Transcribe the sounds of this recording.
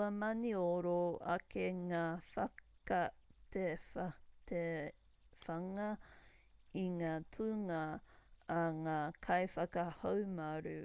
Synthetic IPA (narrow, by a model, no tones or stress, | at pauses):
ɐmɐnioɾoɐ̰keŋaːfɐkɐt̪efte | fɐŋɐ | iŋaːtʰuŋɐ | ɐŋaːkʰɐjfɐkɐhowmɐɾʉ